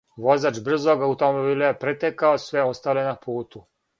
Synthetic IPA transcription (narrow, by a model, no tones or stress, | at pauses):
ʋo̞zaːt͡ʃbr̩zoɡaut̪omobilejepɾet̪ekaosʋeo̞st̪alenapuːt̪u